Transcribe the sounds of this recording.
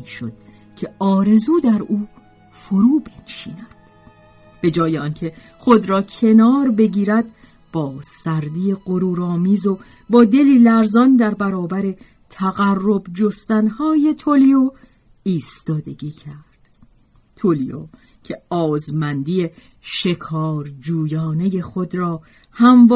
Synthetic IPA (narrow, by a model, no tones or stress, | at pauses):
ʃo̰d̪̥ | cʰe̞ɒːɾe̞zuːd̪æɾuː | foɾuːbenʃḭːnæd̪̥ | b̥e̞d͡ʒɒːjeɒncʰe̞ | χo̞d̪ɾɒːcʰe̞nɒːɾbe̞ɟiːɾæd̪̚ | b̥ɒːsæɾd̪ijeɢoɾuːɾɒːmiːzo | bɒːd̪e̞liːlæɾzɒːnd̪æɾbæɾɒːbæɾe̞ | t̪ʰæɣærːo̞bd͡ʒost̪ænhɒːje̞t̪ʰolijo | iːst̪ɒːd̪e̞ɡiːcʰæɾd̪̥ | t̪ʰolio̰ | cʰeɒːzmænd̪ije̞ | ʃe̞kʰɒːɾd͡ʒuːjɒːne̞je̞xod̪ɾɒː | hæmv